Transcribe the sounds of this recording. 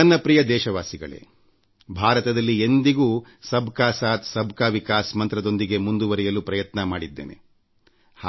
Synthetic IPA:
ɐnːɐpɾijɐd̪ɛːʃɐʋaːsiɡɐ̰ɭḛː | bʱaːɾɐt̪ɐd̪ɐlːiend̪iɡuː | sɐbʱkaːsaːt̪sɐbʱkaːʋikaːsmɐnt̪ɾɐd̪o̞nd̪iɡe̞mund̪uʋɐɾɛjɐlupɾɐjɐt̪nɐmaːɽid̪ːeːnḛ | h

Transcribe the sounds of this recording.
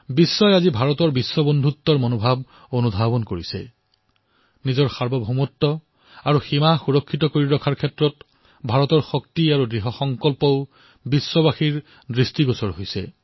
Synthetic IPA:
bisːɔjazibʱaɹɔtɔɹbisːɔbɔndʱutːɔɹmonobʱab | onudʱabɔnkoɹisɛ̰ | nizɔɹxaɹbɔbʱumɔtːɔ | aɹuximaxuɹɔkʰːitɔkoɹiɹɔkʰaɹkʰɛtɹɔt | bʱaɹɔtɔɹxɔk̚tiaɹuɡɹiɦɔxɔŋkɔlpɔʊ | bisːɔbaxiɹ | dɹistiɡɔsɔɹɦojsɛ̰

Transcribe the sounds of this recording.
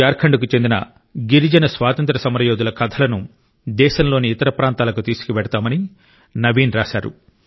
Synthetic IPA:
aːɾkʰɐɳɖuk̬ut͡ʃe̞nd̪inɐ̰ | ɡiɾid͡ʒɐnɐsʋaːt̪ɐnt̪ɾɐsɐmɐɾɐjoːd̪ulɐkɐd̪ʰɐlɐnu | d̪ɛːʃɐmlo̞ːniːt̪ɐɾɐpɾaːnt̪aːlɐkut̪iːsu̥kiʋɛɽɐt̪aːmɐni | nɐʋiːnɾaːʃaːɾṵ

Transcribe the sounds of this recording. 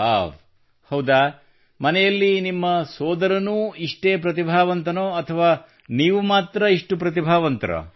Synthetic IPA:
a̰ːʋ | hɐwd̪aː | mɐnɛjɐlːinimːɐsɔːd̪ɐɾɐnuːiʂʈeːpɾɐt̪̬ibʱaːʋɐnt̪ɐnoːɐt̪ʰɐʋaː | niːʋumaːt̪ɾɐiʂʈupɾɐt̪ibʱaːʋɐnt̪ɐɾɐ̰

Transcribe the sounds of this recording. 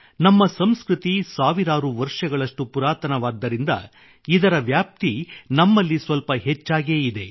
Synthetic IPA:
nɐmːɐsɐmskɾut̪isaːʋiɾaːɾuʋɐɾʂɐɡɐɭɐʂʈupuɾaːt̪ɐnɐʋaːd̪ːɐɾind̪ɐ̰ | id̪ɐɾɐʋjaːp̚t̪inɐmːɐlːisʋɐlpɐɦet͡ʃːaːɡe̞ːid̪e̞

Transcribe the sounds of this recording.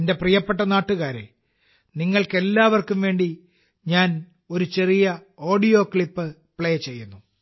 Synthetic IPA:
nde̞prijɐpːe̞ʈːɐnaːʈːuɣaːɾḛ | niŋːɐɭke̞lːaːʋɐrkumʋe̞ːɳɖi | ɲaːn | o̞ɾut͡ɕe̞rijɐo̞ːɖijo̞ːkɭipːɨ | pɭeːt͡ɕe̞jːunːu

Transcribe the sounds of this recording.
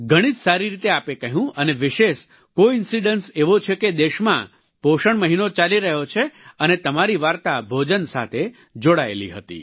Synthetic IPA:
ɡʱəɽ̃id͡ʒsaɾiɾit̪eapekəɦũəneʋɪʃeʃ | koɪnsiɖənseʋot͡ʃʰeked̪eʃmã̰ | poʃəɳməɦinot͡ʃaliɾəɦot͡ʃʰeənet̪əmaɾiʋaɾt̪abʱod͡ʒənsa̰t̪ʰe | d͡ʒoɽaḛlḭɦət̪ḭ

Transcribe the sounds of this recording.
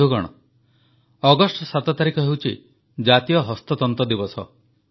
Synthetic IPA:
uɡɔɽ̃ɔ̰ | ɔɡɔsʈsat̪ɔt̪aɾikʰɔɦewt͡ʃʰḭ | d͡ʒat̪ijɔɦɔst̪ɔt̪ɔnt̪ɔd̪ibɔsɔ̰

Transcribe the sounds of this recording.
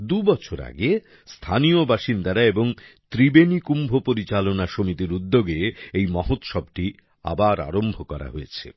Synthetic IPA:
d̪ubɔt͡ɕʰoɾa̰ɡe | st̪ʰaniobaʃind̪aɾaeboŋt̪ɾibenikumbʱopoɾit͡ɕalonaʃomit̪iɾud̪ːoɡeejmɔɦot̪ʃɔb̚ʈi | a̰baɾa̰ɾombʱokɔɾa̰ɦojet͡ɕʰḛ

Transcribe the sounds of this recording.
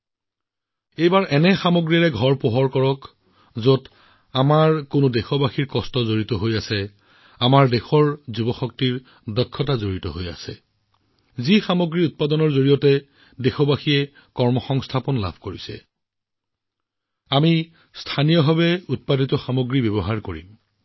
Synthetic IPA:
ejbaɹʔɛnɛxamoɡɹiɹɛɡʱɔɹpoɦɔɹkɔɹɔk | zot | amaɹkʊnʊdexɔbaxiɹkɔstɔzoɹitɔɦojasɛ | amaɹdexɔɹzubɔxɔk̚tiɹ | dɔkʰːɔtazoɹitɔ̰ɦoja̰sɛ | zixamoɡɹiut̚padɔnɔɹzoɹijɔtɛ | dexɔbaxiɛ | kɔɹmɔxɔŋstʰapɔnla̰bʱkoɹisɛ̰ | ami | stʰanijɔbʱaβɛut̚paditɔxamoɡɹibebɔɦaɹkoɹḭm

